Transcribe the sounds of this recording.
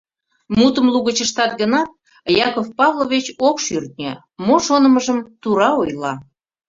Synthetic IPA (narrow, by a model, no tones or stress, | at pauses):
mut̪əmluɣət͡ɕəʃt̪ɑt̪ɡənɑt̪̚ | jɑkofpɑvlˠoβet͡ɕokʃyrt̪̚nʲə̰ | moʃonəməʒəmt̪uɾɑojlɑ